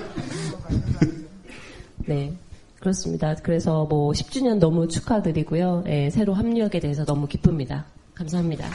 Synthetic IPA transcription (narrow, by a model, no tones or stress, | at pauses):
ne̞ | kɯɾʌs͈ɯmɲḭdakɯɾe̞sʰʌmwʌɕʰi̥p̚t͡ɕ͈uɲʌnːʌmut͡ɕʰu̥kʰadɯɾiɡujojʔe̞sʰe̞ɾoɦamɲiaɡe̞de̞ɦesʰʌnʌmukipʰɯmɲida | kamsʰaɦamɲida̰